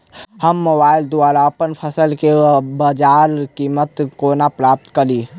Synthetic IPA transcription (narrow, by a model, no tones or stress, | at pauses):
həmːoːbaːɪld̪uaːɾaəpənpʰəsəlkebəd͡ʒaːɾkiːmət̪koːnapɾaːp̚t̪kəliː